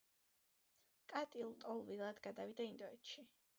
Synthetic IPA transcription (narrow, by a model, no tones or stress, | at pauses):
kʼat̪ʼilˠt̪ʼɔlˠvilˠad̪̥ɡad̪avid̪aind̪ɔɛt̪ʃi